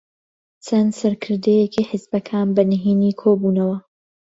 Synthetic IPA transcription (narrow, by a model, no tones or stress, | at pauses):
t͡sʰɐnsɐɾkʰɨɾd̪ejekiːħɪzbɐkʰaːnbɐnɨɦiːniːkʰobuːnɐwɐ